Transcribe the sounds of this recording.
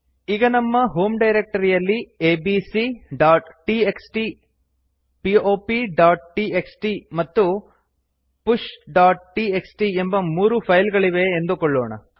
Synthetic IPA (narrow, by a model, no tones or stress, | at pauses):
iɡɐnɐmːɐɦoːmɖɐjɾek̚ʈɐɾijɐlːieːbisiɖaːʈʈieksʈi | pio̞ːpiɖaːʈ̚ʈieksʈimɐt̪ːu | puʂɖaːʈ̚ʈieksʈiembɐmuːɾupʰɐjlɡɐɭiʋe̞ːnd̪ukoɭːɔːɳɐ̰